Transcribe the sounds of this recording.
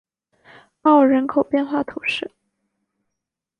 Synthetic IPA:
pɑ˥˩ʊɻə˧˥nkʰo˨˩ʊpjɛ˥˧nxwa˥˩t̪ʰu˨˩˦ʂɻ̩˥˩

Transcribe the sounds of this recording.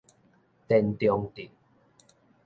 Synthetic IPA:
t̪ɛ˧˨nt̪jɔ˧ŋt̪i˨˩

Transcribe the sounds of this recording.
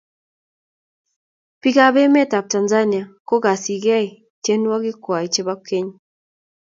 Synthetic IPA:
pi˦ka˦βɛ˦mɛ˦ta˨p̚ta˨nza˦ni˨a˨ko˦ka˨si˨ɡɛ˦i˨ | t͡ʃe˦nu˦a˦ɡi˦kwa˨i˨t͡ʃe˦βa˦ke˦ɲ

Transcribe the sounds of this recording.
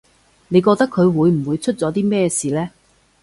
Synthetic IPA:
ne˨˧jkɔː˧k̚t̪ɐ˥kʰɵ˨˧ɥwuː˨˧jm̩˨˩wuː˨˧jt͡ʃʰɵ˥t̚t͡sɔː˨˥t̪iː˥mɛː˥siː˨lɛː˥

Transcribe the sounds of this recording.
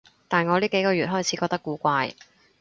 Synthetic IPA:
t̪aː˨˩nŋɔː˨˧liː˥ke˨˥jkɔː˧ɥyː˨˩t̚ɦɔː˥jt͡sʰi˨˥kɔː˧k̚t̪kːuː˨˧˥kʷaː˧j

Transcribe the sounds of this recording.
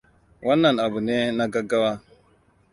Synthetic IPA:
wa˦nːa˨na˨bə˨ne˦na˦ɡa˦ɡa˦wa˦

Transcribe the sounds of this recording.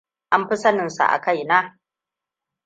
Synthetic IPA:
ʔa˦mɸɪ˦sɐ˦nɪ˨nsa̰˨ʔa̰˨ka˦˨jna˦

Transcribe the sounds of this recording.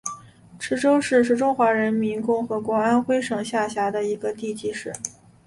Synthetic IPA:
ʈ͡ʂ̩ʰ˥ʈ͡ʂo˥ʊʂɻ̩˥˧ʂɻ̩˥˩ʈ͡ʂʊ˥ŋxwa˧˥ɻə˧˥nmi˧˥nkʊ˥˩ŋxɤ˧˥kwɔ˧˥a˥nxwe˥ɪʂɤ˨˩ŋɕja˥˩ɕja˧˥d̪ə˧i˧˥ɡə˧t̪i˥˧t͡ɕi˥˧ʂɻ̩˥˩

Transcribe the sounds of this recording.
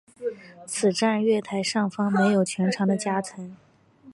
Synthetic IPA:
t͡sʰɹ̩˨˩ʈ͡ʂa˥˧nɥɛ˥˩t̪ʰa˧˥ɪʂɑ˥˩ŋfɑ˥ŋme˧˥ɪjo˨˩ʊt͡ɕʰɥɛ˧˥nʈ͡ʂʰɑ˧˥ŋd̪ə˧t͡ɕja˥t͡sʰə˧˥ŋ

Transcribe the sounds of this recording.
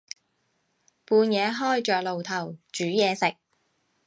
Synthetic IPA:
puː˧njɛː˨˧ɦɔː˥˩jt͡ʃœː˨k̚lo˨wt̪ʰɐ˨˩wt͡ʃyː˨˥jɛː˨˧sɪ˨k̚

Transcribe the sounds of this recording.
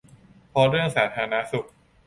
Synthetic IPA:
pʰɔ˦˧˥ɾɯ˥˩əŋsaː˩˦t̪ʰaː˧na˦˥su˨˩k̚

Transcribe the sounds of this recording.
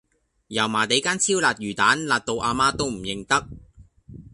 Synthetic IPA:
jɐ˨˩wmaː˨˩t̪e˨˧˥jkaː˥nt͡sʰiː˥wlaː˨t̚jyː˨˩t̪aː˨˥nlaː˨t̚t̪o˧wʔaː˧maː˥t̪o˥wm̩˨˩jɪ˨˧ŋt̪ɐ˥k̚

